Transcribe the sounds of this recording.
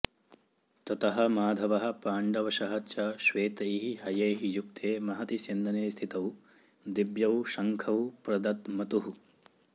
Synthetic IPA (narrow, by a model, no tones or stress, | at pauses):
t̪ɐt̪ɐɦɐ̆maːd̪ʱɐʋɐɦɐ̆paːɳɖɐʋɐʃɐɦɐt͡ʃɐʃʋeːt̪ɐjɦihɐjɐːɦijukt̪ʰeːmɐɦɐt̪isind̪ɐneːst̪ʰit̪ɐw | d̪ibjɐwʃɐŋkʰɐwpɾɐd̪ɐt̪mɐt̪uɦu